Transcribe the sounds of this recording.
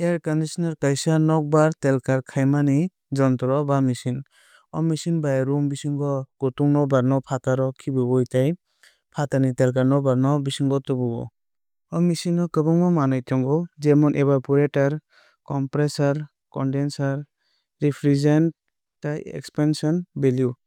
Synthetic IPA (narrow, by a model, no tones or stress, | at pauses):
eɾkɔndisɔnaɾkajsanɔk̚baɾtelkaɾkʰajmani | d͡ʒɔntɾɔbamisin | ɔmisinbajaɾumbisiŋɡɔɡ̥ɔtuŋnɔbaɾnɔpʰataɾɔkʰibɯɔjtaj | pʰatanitelkaɾnɔbaɾnɔbisiŋɡɔtɔbɔɡɔ̰ | ɔmisinɔkɯbɔŋmɔmanajtʰɔŋɡɔd͡ʒemɔnʔebapuɾetaɾ | kɔmpɾesaɾ | kɔndensaɾ | ɾipʰɾizent | tajḛkspansɔnbelju